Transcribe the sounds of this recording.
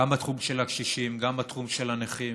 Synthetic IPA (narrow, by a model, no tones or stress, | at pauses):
ambat̪χumʃelakʃiʃimɡambat̪χumʃelaneχi